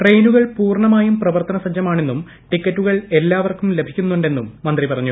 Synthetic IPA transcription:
ʈrejnuɣɐɭpuːrɳɐmaːjumprɐʋɐrt̪ɐnɐsɐd͡ʑjɐmaːɳe̞nːum | ʈikʲːɐtːuɣɐɭelːaːʋɐrkumle̞bʱikʲːunːuɳɖe̞nːumːɐnd̪ripɐrɐɲːu

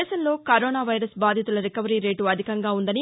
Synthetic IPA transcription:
ʃɐnlo̞ːkɐɾoːnaːʋɐjɾɐsbaːd̪ʱjɐt̪ulɐɾikɐʋɐɾiːɾe̞ːʈuɐd̪ʱikɐŋɡaːund̪ɐni

